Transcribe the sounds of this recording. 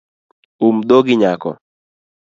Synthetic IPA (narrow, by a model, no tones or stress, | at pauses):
umd̪oɡɪɲakɔ̰